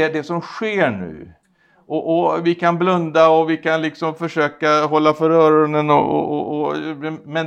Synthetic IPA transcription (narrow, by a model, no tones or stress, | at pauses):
ɛd̪ɛsɔmɧeːɳʉ̟̰ː | ʔɔʔɔvɪkʰanblɵnd̪aɔvɪkʰanlɪksɔmfœʂøːkaɦɔlːafœɾœːɾənənɔ̰ɔ̰ɔ̰ɔmɛn